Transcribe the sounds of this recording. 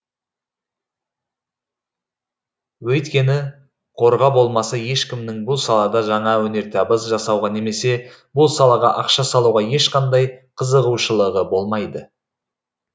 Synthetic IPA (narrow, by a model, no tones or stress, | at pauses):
wɵjt̪kʲe̞nɪ | qʰo̞ɾʁɑbo̞lˠmɑsɑje̞ʃkʲɪmnɪŋbʊlˠsɑlˠɑd̪ɑʒɑɴɑwɵne̞ɾt̪ʰɑbəzʒɑsɑwʁɑne̞me̞se̞ | bʊlˠsɑlˠɑʁɑʔɑqʃɑsɑlˠuʁɑje̞ʃqʰɑnd̪ɑjqʰəzəʁuʃəlˠəʁəbo̞lˠmɑjd̪ə